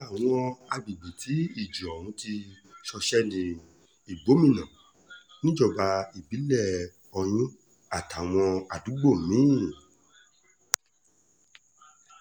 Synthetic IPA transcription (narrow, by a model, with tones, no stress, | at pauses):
a˨w̃ɔ̃˧a˧bi˨ɡ͡bi˨tʰi˨˦i˦˨d͡ʒu˨ɔ˨ɾ̃ũ˨˦ti˧ | ʃɔ˧ʃɛ˦nĩ˧ | i˨ɡ͡bo˨˦mĩ˦˨nã˨ | nĩ˦d͡ʒɔ˦˨ba˧i˨bi˨˦lɛ˦˨ | ɔ˧j̃ĩ˦ | a˨ta˨w̃ɔ̃˧a˨du˨˦ɡ͡bo˦˨mĩ˦˨